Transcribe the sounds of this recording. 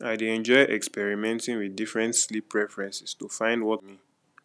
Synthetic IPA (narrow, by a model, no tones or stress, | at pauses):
aɪdeɛ̃nd͡ʒɔɪʔɛkspɛɹimɛ̃ntĩŋwiðdifɹɛ̃ntslipʰːɹɛfɹɛ̃nsi̥stufãɪ̃ndwɔtmi